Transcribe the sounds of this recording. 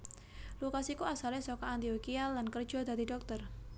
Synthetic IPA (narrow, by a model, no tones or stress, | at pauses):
lukasikuasalɛsɔkɔant̪iokialːankərd̥ʒ̥ɔ̤d̪a̤d̪idɔk̚t̪ər